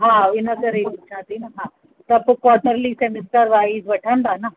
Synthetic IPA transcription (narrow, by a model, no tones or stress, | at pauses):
ɦãːɪnəkɐɾekut͡ʃʰãːt̪inɐɦãː | t̪ɐpkɔːʈnəɾlisemɪsʈəɾʋaːizʋɐʈʰãnd̪aːna